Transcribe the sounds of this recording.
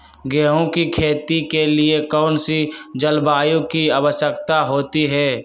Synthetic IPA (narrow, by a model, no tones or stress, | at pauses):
ɡɛːɦõkikʰeːt̪ikeliekɔːnsid͡ʒəlbaːjõkiaʋəʃəkt̪aɦoːt̪iɦɛː